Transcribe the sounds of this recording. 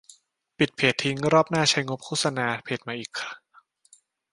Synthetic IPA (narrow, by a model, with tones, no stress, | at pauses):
pi˨˩t̪̚pʰeː˨˩t̪ʰːi˦˥ŋɾɔː˥˩p̚naː˥˩t͡ɕʰa˦˥jŋo˦˥p̚kʰuː˥˩sa˧naː˧pʰeː˨˩t̪̚maː˧ʔiː˨˩kʰːa˧˩